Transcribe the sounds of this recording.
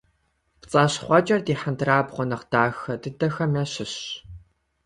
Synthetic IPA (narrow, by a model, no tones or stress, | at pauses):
pt͡sʼaːɕχʷɔt͡ʃʼɐrdiːħantʰɨraːbʁʷɔnɐqd̥aːxɐdɨdɐxɐmɐɕɪɕ